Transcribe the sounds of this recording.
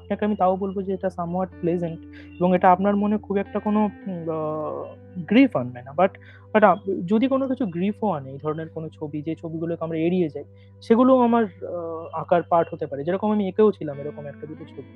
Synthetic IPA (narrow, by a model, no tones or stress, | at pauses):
apnakeamit̪aobolbod͡ʑeeʈasamaʈ̚plezeɳʈ | eboŋeʈaapnaɾmonekʰubɛk̚ʈakono | ɡɾifanmanabaʈ | baʈad͡ʑod̪ikonokit͡ɕʰuɡɾifoaneejd̪ʱɔɾoneɾkonot͡ɕʰobid͡ʑet͡ɕʰobiɡulokeamɾaeɽied͡ʑaj | ʃeɡuloamaɾãkaɾpaɾʈɦot̪epaɾed͡ʑeɾɔkomamiekeot͡ɕʰilameɾɔkomɛkʈad̪ʱikot͡ɕʰobi